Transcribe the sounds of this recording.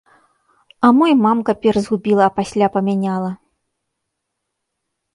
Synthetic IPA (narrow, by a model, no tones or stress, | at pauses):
ɐmɔjmamkɐpʲɛrzɣubʲilˠɐːpasʲlʲapɐmʲanʲalˠɐ